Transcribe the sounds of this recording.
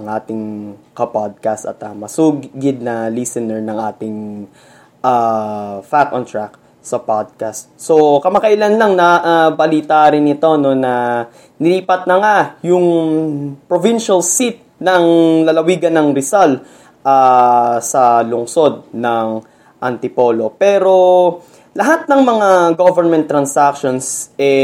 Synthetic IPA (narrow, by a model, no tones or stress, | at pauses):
ɐŋʔaːt̪ɪŋkɐpad̪̚kast̪ɐ̰t̪ɐmɐsuːɡɡɪd̪̚nɐlisɛnɛɹnɐŋʔaːt̪ɪŋ | ʔa | fakont̪ɹak̚ | sɐpad̪̚kast̪̚so̞kɐmakɐʔɪlanlɐŋnɐʔabɐliːt̪aɾɪnɪt̪o̞no̞nɐ | nɪliːpɐt̪̚nɐŋajʊŋ | pɾovinʃɐlsit̪̚nɐŋlɐlɐwiːɡɐnːɐŋɾɪsal | ʔasɐlʊŋso̞d̪̚nɐŋ | ʔɐ̰nt̪ɪpo̞ːlo̞pɛːɾo̞ | lɐɦat̪̚nɐŋmɐŋaɡovɛɹmɛnt̪ːɾɐnsakʃonsʔɛ